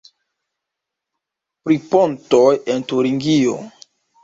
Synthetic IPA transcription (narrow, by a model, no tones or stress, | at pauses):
pɾipontojentuɾiŋɡio̰